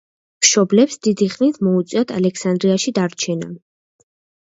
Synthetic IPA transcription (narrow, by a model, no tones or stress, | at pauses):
mʃɔblɛpsd̪̥id̪iχnit̪ʰmɔut̪sʼjat̪ʰalɛksand̪ɾiaʃid̪aɾt͡ʃʰɛna̰